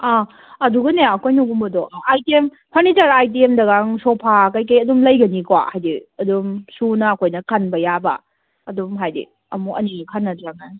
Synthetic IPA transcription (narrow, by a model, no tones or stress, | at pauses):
a | ɐduɡɐneɐkʰojnuɡumbɐdɔʔajtiem | pʰɐɾnitɐɾajt̬iemdɐɡaŋsɔpʰakajkɐjɐdumlɐjɡɐnikwa̰hajdiɐdumsunɐɐkʰojnɐkʰɐnbɐjabɐ̰ | ɐdumɦajdḭ | ɐmuʔɐ̰ninikʰanːɐtɾaŋa